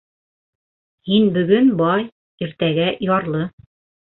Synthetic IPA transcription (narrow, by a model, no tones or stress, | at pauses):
hinbɵ̆ɡɵnbɑj | iɾt̪æɡæjɑɾlˠɤ